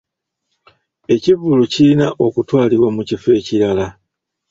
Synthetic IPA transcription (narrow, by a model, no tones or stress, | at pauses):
e̞civulucilinaʔokutwaːliβwamucife̞ːciɾala